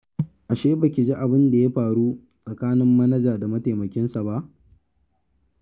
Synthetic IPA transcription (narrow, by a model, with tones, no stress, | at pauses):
ʔa˨ʃeː˦bɐ˨kʲɪ˨d͡ʒi˦ʔa˨bɪ˦nda˨ja˦ɸaː˨ɽu˦ | sʼɐ˨kaː˦nɪ˦mːɐ˦nɐ˦d͡ʒaː˨da˨mɐ˦ta˨mɐ˨kʲɪ˦nsa˨ba˦ʔ